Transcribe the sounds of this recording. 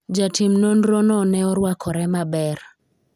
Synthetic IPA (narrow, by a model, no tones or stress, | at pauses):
d͡ʒatimnonɾonɔnɛɔɾwakʰɔɾɛmabɛr